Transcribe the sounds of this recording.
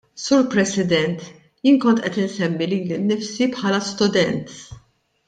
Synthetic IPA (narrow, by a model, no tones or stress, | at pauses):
suːɾpɾɛsɪd̪ɛnt̪ | jiːnkɔnt̪ʔɛt̪ɪnsɛmːiliːlɪnːɪfsipħɐːlɐst̪ʊd̪ɛnt̪